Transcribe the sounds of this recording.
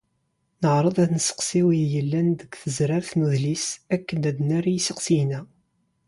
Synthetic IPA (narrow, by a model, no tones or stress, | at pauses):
nəʕɾˤəðˤæθnəsə̥qsiwijəlːænðəɡθəzɾaɾθnuðlisækːədæd̪næɾajisəqsijnæ